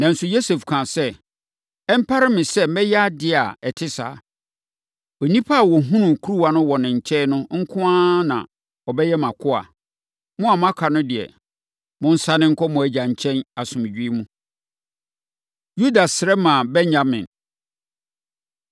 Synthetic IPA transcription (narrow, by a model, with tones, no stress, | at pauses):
nã˨n̩˨sʊ˨jo˦se˨fkʰã˨sɛ˦ | ɛ˦m̩˦pʰa˦ɾɪ˦mɪ̃˨sɛ˦mɛ˦jɛ˦a˦dɪ˦a˨ɛ˨tʰɪ˦sa̰ː˨˦ | ɔ˨nĩ˦pʰa˦a˨wɔ˨ɦũ˦nʊ̃˨kʰu˦ɾu˦wa˨nʊ̃˦wɔ˨nɪ̃˨ɲ̩˨t͡ɕʰɛ˦nʊ̃˦ŋ̩˦kʰʊ̃˦ã˦nã̰˨ | ɔ˨bɛ˦jɛ˦mã˨kʰʊ˦a̰˨ | mʊ̃˦a˨m˦ã˦kʰa˨nʊ̃˦dɪ˨ɛ̰˨ | mʊ̃˦n̩˦sa˦nɪ̃˦ŋ̩˦kʰɔ˦mʊ̃˨æ˨d͡ʑa˨ɲ̩˨t͡ɕʰɛ̃˦na˨sʊ̃˨m˨d͡ʑᶣi˦i˦mũ˦ | ju˦da˨sɪ˨ɾɛ˦mã˨bɛ˦ɲɲa˦mɪ̃˨n